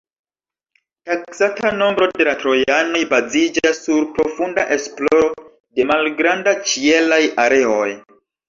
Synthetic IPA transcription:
taksatano̞mbɾo̞de̞latɾo̞jano̞jbazid͡ʒasːuɾpɾo̞fundaʔe̞splo̞ɾo̞ | de̞malɡɾandat͡ʃie̞lajaɾe̞oj

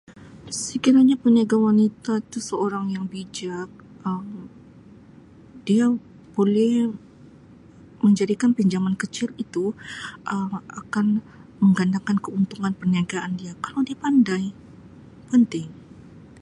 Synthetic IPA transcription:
səkiɾaɲapəniaɡawanit̪ait̪usəoɾaŋjaŋbid͡ʒak̚ | ʔəm | dia | b̥olɛh | məɲd͡ʒadikanpiɲd͡ʒaŋankət͡ʃɪlit̪uʔəma̰kan | məŋɡandakankəunt̪uŋanpərniaɡaʔandiakalawdiapandaj | pənt̪ɪŋ

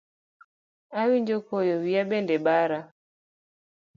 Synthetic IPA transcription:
awiɲd͡ʒɔkɔjɔwiabɛndɛɓaɾa

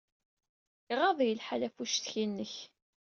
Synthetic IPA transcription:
ʁɑðˤjəlħalæfuʃθçinːəç

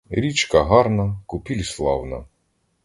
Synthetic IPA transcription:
ɾʲit͡ʃkɐɦɑɾnɐkʊpʲilʲslˠɑwnɐ̰

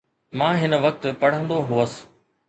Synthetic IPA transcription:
mãːɦɪnə̆ʋɐk̚t̪pɐɽ̤ə̃nd̪oɦuəs̆

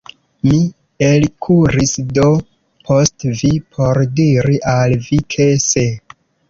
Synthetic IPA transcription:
mi | elkʰuɾisdo̞ | pʰo̞stvipʰoɾdiɾiʔalvikʰese

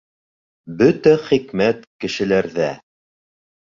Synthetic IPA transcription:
bɵt̪æχikmæt̪kɘ̆ʃɘ̆læɾðæ

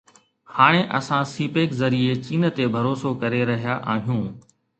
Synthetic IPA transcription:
haːɽ̃ẽʔɐsãsiːpeːkzɐɾiet͡ɕiːnə̆t̪ebʱɐɾoːsokɐɾeɾɐɦijaʔaːɦijũː

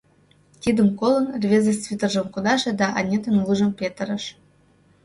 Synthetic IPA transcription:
t̪ʲid̪ə̆mkolˠɤ̆nrʲvʲezʲest͡svʲit̪ə̆rʒə̆mkud̪ɑʃĕd̪ɑʔɑnʲet̪ə̆nlˠuʒɤ̆mpʲet̪ə̆ɾə̆ʃ

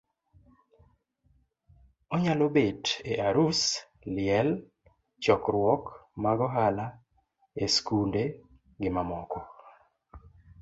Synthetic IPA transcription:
ɔɲalobeteʔaɾus | lɪɛl | t͡ʃɔkɾwɔkmaɡɔɦala | eskunde | ɡɪmamɔkɔ

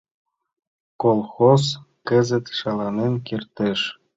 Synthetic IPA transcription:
kolˠxos | kɘ̆zɘ̆t̪ʃɑlˠɑnenkirt̪ĕʃ

